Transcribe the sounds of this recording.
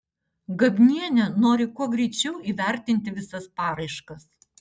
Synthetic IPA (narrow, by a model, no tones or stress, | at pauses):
ɡɐbʲnʲiɛnʲɛnoːɾʲɪkuɔɡɾʲɛɪt͡ʃʲɛʊʔiːʋʲæˑɾʲt̪ʲɪnʲt̪ʲɪʋʲɪsɐspɑːɾɐɪʃkɐs